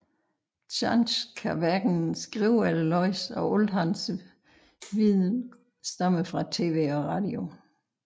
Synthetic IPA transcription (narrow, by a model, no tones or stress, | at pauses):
ɕʰɑnɕkʰæʋæɡ̥n̩sɡ̥ʁiʊ̰ællɒɪsɒ̽ʔɔlɦɑns | ʋið̰ˠn | sd̥ɑməfʁɑ̈t͡sʰe̝̰ːʋe̝̰ːɒʁɑ̈ːd̥io̝